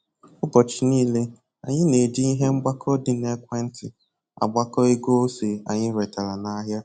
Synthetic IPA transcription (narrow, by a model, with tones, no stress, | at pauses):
ʊ˦ɡɔ˨t͡ʃɪ˨niː˦le˦ | a̰˨ɲɪ˦ne˨d͡ʒi˦i˦ɦe˦ŋ͡m̩˦ɡ͡ba˦kʰɔ˦dɪ˦ne˦kʷe˦n̩˦tɪ˨ | a̰˨ɡ͡ba˦kɔ˦e˦ɡo˦o˦se˨a̰˨ɲɪ˦ɾe˨ta˨la˨na˦ɦja˦